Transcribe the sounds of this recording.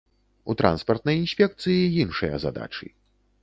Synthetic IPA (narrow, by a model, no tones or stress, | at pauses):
ut̪ɾa̰nspɐrt̪nɐjinʲsʲpʲɛk̚t̪sɨjiinʂɨjɐ̰za̰d̪a̰t͡ʂɨ̰